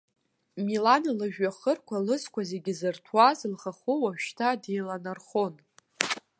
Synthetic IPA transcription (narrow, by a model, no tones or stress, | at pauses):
milanalɨʒᶣaχərkʷalɨskʷazeɡʲɪzɨrtʰwazlχaχuwaʃtʰadejlanarχo̞n